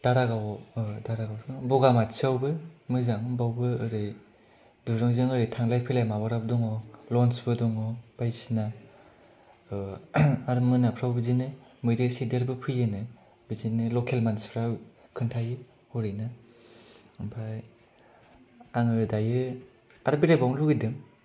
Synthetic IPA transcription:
d̥aɾaɡawdaɾaɡawsɯbɔɡamatsawbɯmɯzaŋɯbawbɯɯɾɯ | duɾɯŋzɯŋɯɾɯtʰaŋlajpʰilajmaβaɾab̚dɔŋɔlɔnsbɯdɔŋɔb̥ajsina | aɾɯmɯnapʰɾawbizinɯmɯjdɯsideɾbɯpʰɯjɯnɯ | bizinɯlɔkʰelmanspʰɾakʰɯntʰajɯ | hɔɾina | bʰaj | aŋɯdajɯ | aɾbiɾajbawŋluɡidɯŋ

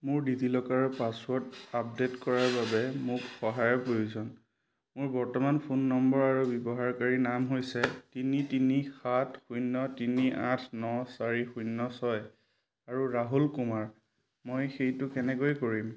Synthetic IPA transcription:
mʊɹdidilɔkaɹɔpaswɔɹtap̚detkɔɹaɹbabɛmʊkxɔɦajɔpɹojuzɔn | mʊɹbɔɹtɔmanpʰunːɔmbɔɹaɹubjɔbɔɦaɹkaɹinamɦojsɛtinitinixatʰxujnːɔtiniʔãtʰnɔsaɹixujnːɔsɔj | aɹuɹaɦulkumaɹ | mojxejtʊkɛnɛkojkoɹim

